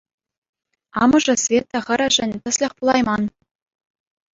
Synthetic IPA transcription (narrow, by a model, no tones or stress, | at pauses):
ɑmɤ̆ʐɤ̆svʲet̪ːɑ̆χɘ̆ɾʲɘ̆ʒɘ̆nʲt̪ɤ̆slʲɘ̆χpulˠɑjmɑn